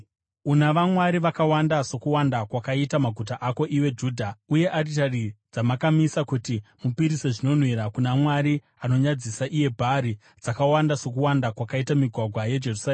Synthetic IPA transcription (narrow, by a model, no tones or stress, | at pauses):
unaʋamwaɾiʋakawandaso̞kuwandakwakaitamaɡʱutaʔako̞ʔiwe̞d͡ʒuːdʱauje̞ʔaritarid͡zamakamisakutimupiɾise̞ʐino̞n̤wiɾakunamwaɾi | ano̞ɲad͡zisaʔije̞bʱaɾi | d͡zakawandaso̞k̬uwandakwakaitamiɡʱwaɡʱwaje̞d͡ʒe̞rusaeː